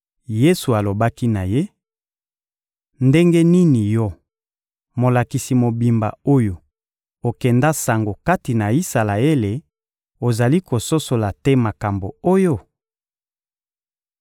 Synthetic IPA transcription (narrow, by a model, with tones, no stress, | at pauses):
je˦su˨a˨lo˨ba˦ki˦na˨je˦ | nde˦ŋɡe˦ni˦ni˨jɔ˦ | mo˨la˨ki˨si˨mo˨bi˨mba̰˨o˦jo˨ | o˨kɛ˨nda˦sa˨ŋɡo˨ka˦ti˨na˨i˦sa˨la˨e˦le˨ | o˨za˨li˦ko˨so˦so˨la˨tɛ˦ma˨ka˨mbo˨o˦jo˦